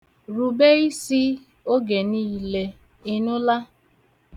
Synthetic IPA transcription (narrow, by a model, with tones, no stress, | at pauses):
ɾu˨be˦i˦si˦ | o˦ɡe˨niː˦le˦ | ɪ˦nʊ˦la˦